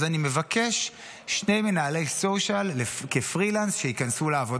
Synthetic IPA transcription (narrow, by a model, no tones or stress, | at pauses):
zanime̞vake̞ʃ | ʃne̞jmenaːle̞jsoʃalːekefʁilansʃeikansuleavo̞d